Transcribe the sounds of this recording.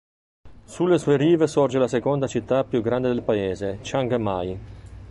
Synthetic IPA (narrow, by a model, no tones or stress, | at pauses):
sulːesuːeɾiːvesɔrd͡ʒelasekɔnd̪at͡ʃit̪ːapːjuɡɾand̪ed̪elpaeːzet͡ʃaŋɡmaj